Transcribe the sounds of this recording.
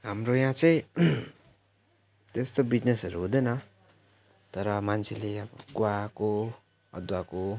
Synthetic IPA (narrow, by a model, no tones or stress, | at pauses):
ɦamɾojãt͡sʌjĩ | t̪est̪obid͡znesʌɾuɦũd̪ʌnʌ | t̪ʌɾʌmant͡sʰeleʌbʌɡoako | ʌ̰d̪wako